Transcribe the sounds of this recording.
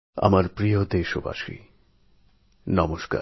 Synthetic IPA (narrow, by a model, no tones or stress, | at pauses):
a̰maɾpɾijod̪eʃoba̰ʃḭ | nɔmoʃka̰ɾ